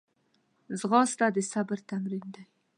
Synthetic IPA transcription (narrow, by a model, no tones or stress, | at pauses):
zʁɑst̪ad̪ɪsabəɾt̪ʰamɾind̪aj